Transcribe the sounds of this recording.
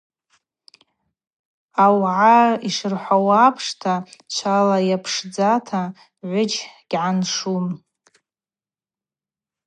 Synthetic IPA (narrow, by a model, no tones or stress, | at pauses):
awʕaiʂɨrħʷawapʰʂtʰat͡ʃʷʰalajapʰʂd͡zatʰa | ʕʷʊd͡ʒɡ̥ʲʕanʂum